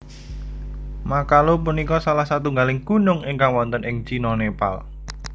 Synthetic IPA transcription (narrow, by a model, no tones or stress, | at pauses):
makalopunikɔsalahsat̪uŋɡalɪŋkunʊŋɪŋkaŋwɔnt̪ənʔɪŋt͡ʃinɔnepa̰l